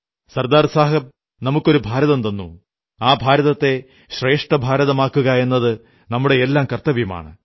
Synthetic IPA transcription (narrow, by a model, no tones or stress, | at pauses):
sɐrd̪aːrsaːɦɐm | nɐmukːo̞ɾubʱaːɾɐðɐmt̪ɐnːu | aːbʱaːɾɐðɐt̪ːe̞ | ɕre̞ːʂʈɐbʱaːɾɐðɐmaːkːuɣɐe̞nːɐðɨ | nɐmːuɽe̞ːlːaːmkɐrt̪ːɐʋijuma̰ːɳɨ